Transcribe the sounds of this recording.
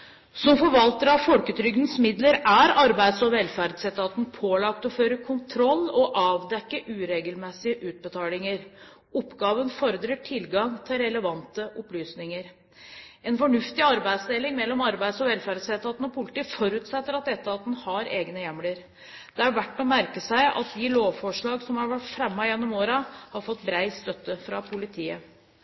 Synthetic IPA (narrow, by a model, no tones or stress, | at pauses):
sɔmfɔɾʋɑlt̪əɾɑʋfɔlkət̪ʰɾʏɡd̪n̩smɪd̪ləɾæɾɑɾbæɪd̪sɔʋɛlfæɾd̪sɛt̪ːɑt̪n̩pʰoːlɑkt̪ɔføːɾəkʰʊnt̪ʰɾɔlːɔʔɑːʋd̪ɛkːəʔʉːɾeːɡəlmɛsɪəʔʉːt̪̚bət̪ʰɑːlɪŋəɾ | ɔpːɡɑːʋənfɔɾəd̪ɾəʈʰɪlːɡɑŋt̪ʰɪlɾɛləʋɑnt̪əʔɔplyːsnɪŋəɾ | ɛnfɔɳʉft̪ɪɑɾbæɪd̪sd̪eːlɪŋmɛlːɔmɑɾbæɪd̪sɔʋɛlfæɾsɛːt̪ɑt̪n̩ɔpʰʊlt̪iːfɔɾʉːt̪sɛt̪ːəɾɑt̪̚d̪ɛt̪ːəɑt̪̚ːnhɑɾeːɡnəjɛmləɾ | d̪̥ɛæɾʋæʈːɔmæɾkəsæɪʔɑ̰t̪̚d̪ɪloːʋfɔʂɭɑːɡsɔmhɑɾʋæʈfɾɛmːɑjɛnːɔmoːɾɑhɑɾfɔt̪ːbɾæɪst̪œt̪ːəfɾɑpʰʊlɪt̪ʰiːə